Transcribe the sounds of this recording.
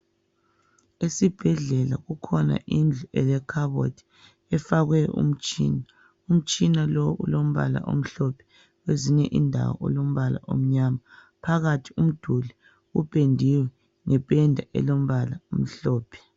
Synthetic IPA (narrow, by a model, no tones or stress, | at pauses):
esib̥ʱɛɮɛla̰ɣukʰɔna̰ʔind͡ɮʱuɛlɛkʰaβo̰dʰʱi̥ | ɛfaɣwɛɔ̰ṵm̩t͡ʃʼḭːna | um̩t͡ʃʼinalowṵlom̩βa̰la̰ʔo̰m̩ɬɔpʰɛ̥ | weziɲɛʔindʱa̰wɔ̰ɔ̰lom̩βala̰ʔo̰m̩ɲaːma | pʰaɣatʰi̥um̩d̥ʱuli | upʼendʱiwɛ | ŋɛpʼɛndʱaʔɛ̰lom̩βalaom̩ɬɔːpʰɛ̥